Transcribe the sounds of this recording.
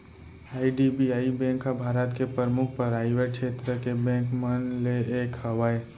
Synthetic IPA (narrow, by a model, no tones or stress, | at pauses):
aːiɖibiaːibɛ̃ːŋkɦabʱaːɾət̪kepəɾmʊk̚ʰpəɾaːɪʋeʈ̚kʃʰeːt̪ɾəkebɛ̃ːŋkmənleeːkhəʋae